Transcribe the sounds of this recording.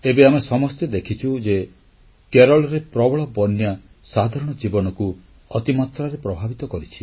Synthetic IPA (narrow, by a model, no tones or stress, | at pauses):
ebeamesɔmɔst̪ed̪ekʰit͡ʃʰud͡ʒe | keɾɔɭɾepɾɔbɔɭɔbɔnja | sad̪ʱaɾɔɽ̃ɔd͡ʒibɔnɔku | ɔt̪imat̪ɾaɾepɾɔbʱabit̪ɔkɔɾit͡ʃʰi̥